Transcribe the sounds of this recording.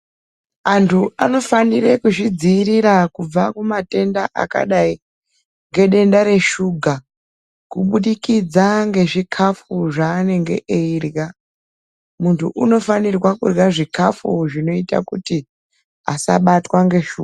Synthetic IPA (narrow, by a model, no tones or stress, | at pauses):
antʰuʔano̞fanire̞kuʐid͡ziːɾiɾakub͡vakumate̞ndaʔa̰ka̰ɗai | ŋɡe̞ɗe̞ndaɾe̞ʃuɡʱa | kuɓuɗikid͡zaŋɡe̞ʐikʰafuʐaːne̞ŋɡe̞̰ʔeirɣa | muntʰṵʔuno̞fanirwakṵrɣaʐikafuʐino̞ita̰kuti | a̰sa̰ɓatwaŋɡe̞ʃṵɡa